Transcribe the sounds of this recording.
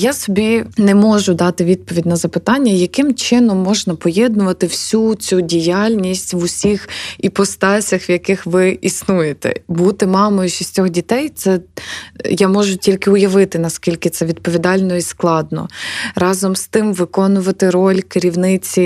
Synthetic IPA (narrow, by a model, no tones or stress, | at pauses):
jasɔbʲinɛmɔʒʊd̪ɑt̪ɪʋʲid̪̚pɔʋʲidʲnɐzɐpɪt̪ɑnʲːɐjɐkɪmt͡ʃɪnɔmːɔʒnɐpɔjɛd̪nʊʋɐt̪ɪwsʲut͡sʲudʲijalʲnʲisʲtʲʋʊsʲixipɔst̪ɑsʲɐxʋjɐkɪxʋɪisnujet̪ɛ̰but̪ɪmɑmɔjiʃisʲtʲɔxdʲit̪ɛjt̪sɛ | jamɔʒʊtʲilʲkɪʊjɐʋɪt̪ɪnɐskʲilʲkɪt̪sɛʋʲid̪̚pɔʋʲid̪ɑlʲnɔisklˠɑd̪nɔ̰rɑzɔmst̪ɪmʋɪkɔnʊʋɐt̪ɪɾɔlʲkɪɾʲiwnɪt͡sʲi